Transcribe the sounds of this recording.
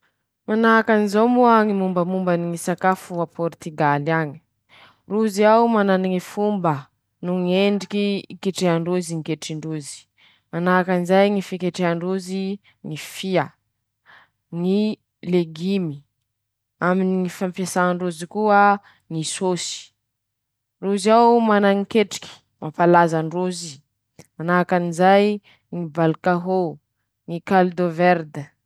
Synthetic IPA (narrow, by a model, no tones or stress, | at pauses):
manaakanizowmuəŋimumbəmumbəniŋisakafuapɔɾt̪iɡaliaɲi̥ | ruziawumananiŋifumbə | nuŋieɳɖ͡ʐikikeʈ͡ʂeaɳɖ͡ʐuziŋikeʈ͡ʂiɳɖ͡ʐuzi̥ | manaakanizajŋifikeʈ͡ʂeaɳɖ͡ʐuzi | ŋifia | ŋi | leɡimi | aminiifampjasaɳɖ͡ʐozikua | ŋisosi̥ | ruzawmanaŋikeʈ͡ʂi̥kʲi̥ | mampalazaɳɖ͡ʐozi̥ | manakanizaj | ŋibalkaɦo | ŋikald̪oveɾd̪ə